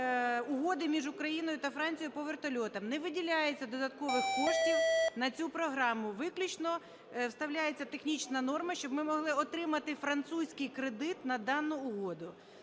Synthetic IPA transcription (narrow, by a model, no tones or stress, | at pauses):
ʊɦɔd̪ɪmʲiʒʊkɾɐjinɔjʊt̪ɐfɾɑnʲt͡sʲijʊpɔʋert̪ɐlʲɔt̪ɐmnɛʋɪdʲilʲajet͡sʲːɐd̪ɔd̪ɐt̪kɔʋɪxkɔʃtʲiwnɐt͡sʲupɾɔɦɾɑmʊʋɪklʲut͡ʃnɔ | wst̪ɐwlʲajet͡sʲːɐt̪exnʲit͡ʃnɐnɔrmɐʃt͡ʃɔbmɪmɔɦlˠɪɔt̪ɾɪmɐt̪ɪfɾɐnt̪susʲkɪjkɾed̪ɪt̪nɐd̪ɑnːʊʊɦɔd̪ʊ